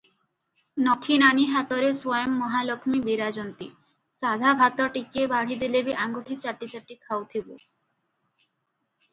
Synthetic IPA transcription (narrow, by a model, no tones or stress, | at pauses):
nɔkʰinaniɦat̪ɔɾeswɔjɔmːɔɦalɔkʰmibiɾad͡ʒɔnt̪i | sad̪ʱabʱat̪ɔʈikiebaɽ̤id̪ilebiʔaŋɡuʈʰit͡ʃaʈit͡ʃaʈikʰawt̪ʰibo